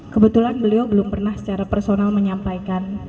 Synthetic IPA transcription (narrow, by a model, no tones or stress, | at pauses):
kəbət̪ulanbəliobəlʊmpərnahsə̥t͡ʃaɾapərsonalməɲampajkan